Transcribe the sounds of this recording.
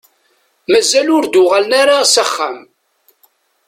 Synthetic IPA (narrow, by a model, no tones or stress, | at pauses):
mæzːælʊɾd̪ʊʁalnaɾasəχːam